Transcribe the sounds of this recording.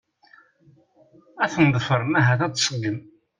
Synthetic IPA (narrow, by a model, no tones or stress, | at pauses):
æθənðˤfəɾˤmæɦæθæt͡s̪ːsˤəɡəm